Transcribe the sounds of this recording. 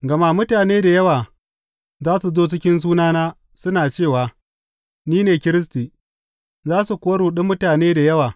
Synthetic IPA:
ɡɐ˨ma˦mʊ˦taː˨neː˦da˨jɐ˦waː˨ | zaː˦su˨zoː˦t͡ʃɪ˦kʲɪ˦ns̬uː˦naː˦naː˦ | sʊ˦naː˨t͡ʃeː˦˨waː˨ | niː˦neː˨kʲɪ˦ɾɪ˦s̬tiː˨ | zaː˦su˨kʷoː˦ɽuː˨ɗʊ˦mːʊ˦taː˨neː˦da˨jɐ˦waː˨

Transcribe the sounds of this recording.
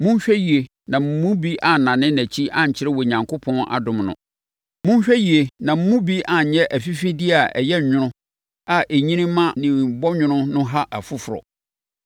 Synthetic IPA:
mũ˦ɲ˦ɕᶣɛ˦ji˨e˨ | nã˨m̩˦mũ˦bi˦ʔa˨nã˨nɪ̃˦næ˨t͡ɕʰi˦ʔã˦˨ɲ̩˨t͡ɕʰɪ˦ɾɪ˦wɔ˨ɲã˨ŋkʰo˦pʰɔ̃˦na̰˨dʊ̃˨mnʊ̰̃˨ | mũ˦m˦ɕᶣɛ˦ji˨e˨nã˨m̩˦mũ˦bi˦ʔa˨ɲ̩˨˦ɲɛ˦ʔæ˨fi˦fĩ˦di˦a˨ʔɛ̰˨jɛ˦ɲ˨ɲᶣʊ̃˦nʊ̃˦ | a˨ʔe˨ɲĩ˦nĩ˦mã˦nɪ̃˨m˨bɔ˦ɲʊ̃˦nʊ̃˦nʊ̃˦ɦa˦ʔa˨fʊ˦fʊ˨ɾɔ̰˨

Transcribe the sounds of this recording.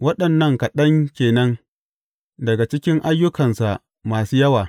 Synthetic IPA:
wɐ˦ɗɐ˨nːɐ˦ŋka˨ɗɐ˦ŋkʲeː˨nɐ˦ŋ | dɐ˨ɡa˨t͡ʃɪ˦kʲɪ˦ŋʔa˦jːʊ˦kɐ˨nsa˨ | maː˨suː˦jɐ˦waː˨

